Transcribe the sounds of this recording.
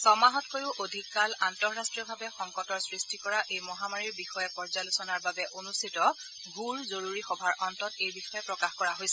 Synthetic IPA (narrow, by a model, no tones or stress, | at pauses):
sɔmaɦɔtkojʊʔodʱikːalantɔɹːastɹijɔbʱabɛxɔŋkɔtɔɹsɹistikɔɹaʔejmɔɦamaɹiɹbixɔjɛpɔɹzalusɔnaɹbabɛʔonustʰitɔ | ɡʱuɹzoɹuɹixɔbʱaɹʔɔntɔtejbixɔjɛpɹɔkaxkɔɹaɦojsɛ